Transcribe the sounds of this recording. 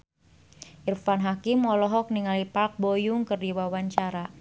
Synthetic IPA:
ʔirfanɦakimɔlɔɦɔk̚niŋalipak̚bojʊŋkɨrdiwawaɲt͡ʃaɾa

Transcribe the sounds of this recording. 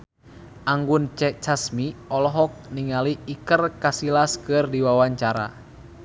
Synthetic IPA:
ʔaŋɡunt͡ʃɛt͡ʃasmiɔlɔɦɔk̚niŋaliːkərkasilaskɨrdiwawaɲt͡ʃaɾa̰

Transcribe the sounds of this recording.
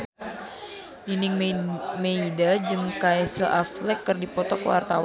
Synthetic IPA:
ninɪŋmeidad͡ʒɨŋkaɛsəʔaflɛkːɨrdipɔt̪ɔkəwa̰rt̪a̰wan

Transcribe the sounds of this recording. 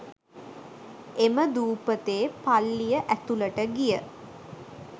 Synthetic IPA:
eməd̪uːpət̪eːpalːijəʔæt̪uləʈəɡijə

